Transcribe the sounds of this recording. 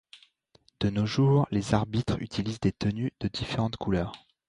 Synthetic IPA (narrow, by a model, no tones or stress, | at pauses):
d̪̥ənoʒuːʁlezaʁbit̪χy̰t̪ʰilizd̪et̪ənyd̪̥əd̪ifeʁɑ̃t̪kʰulœːʁ